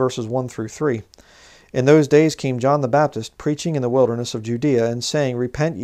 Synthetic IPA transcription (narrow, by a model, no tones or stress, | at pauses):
ɜ˞səzwʌ̃nθɹʉθɹi | ʔɨ̃nðoʊzdeɪz̥kʰẽɪ̃md͡ʒɑ̃nðəbæp̚tʰɨspʰɹ̥it͡ʃɪ̃ŋɨ̃nðəwɪlˠdə˞nəsʌvd͡ʒʉdiɨɨ̃nseɪɪ̃ŋɹɨpʰɛ̃nt͡ʃ